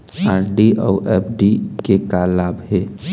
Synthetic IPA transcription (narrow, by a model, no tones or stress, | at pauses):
aːɾɖiʔɔːʔɛːpʰɖikekaːlaːbɦeː